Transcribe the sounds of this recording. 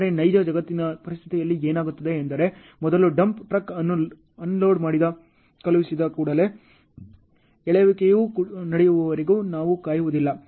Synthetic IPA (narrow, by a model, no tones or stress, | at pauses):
ɾenɐjd͡ʒɐd͡ʒɐɡɐt̪ːinɐpɐɾist̪ʰi̥t̪ijɐlːieːnaːɡut̪ːɐd̪e̞ːnd̪ɐɾe̞ | mɔd̪ɐluɖɐmpʈɾɐkɐn | ɐnloːɖmaːɽid̪ɐ | kɐlʋisid̪ɐkuːɽɐle̞ | ɛɭeʋikejuːnɐɽɛjuʋɐʋɐɾiɡuːnaːʋukaːjuʋud̪ilːɐ